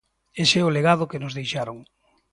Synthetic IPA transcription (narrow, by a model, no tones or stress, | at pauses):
eseʊleɣað̞ʊkenʊzðejʃaɾoŋ